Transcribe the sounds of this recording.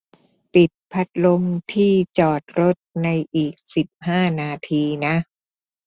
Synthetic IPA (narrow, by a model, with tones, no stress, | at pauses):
pi˨˩t̪̚pʰa˦˥t̪̚lo˧mt̪ʰiː˥˩t͡ɕɔː˨˩t̪̚ɾo˦˥t̪̚na˧jʔiː˨˩k̚si˨˩p̚haː˥˩naː˧t̪ʰiː˧na˦˥ʔ